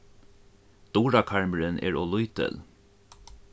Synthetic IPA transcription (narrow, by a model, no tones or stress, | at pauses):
d̪̥uːɾakʰaɹməɾɪnɛ̰ːɹɔlujt̪ɪ̰l